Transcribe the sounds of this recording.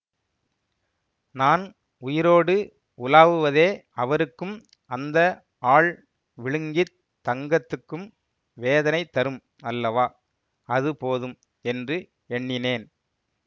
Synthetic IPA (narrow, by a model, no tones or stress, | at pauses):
naːn | ʊjɪɾoːɽɯ | ʊlaːʋɯʋɐðeːɐʋɐɾɯkːɯm | ɐnd̪ɐ | aːɭ | ʋɪɻɯŋɡɪ | t̪ːɐŋɡɐt̪ːɯkːɯm | ʋeːðɐnɐɪt̪ːɐɾɯm | ɐlːɐʋaː | ɐðɯpoːðɯm | ɛndrɯ | ɛɳːɪneːn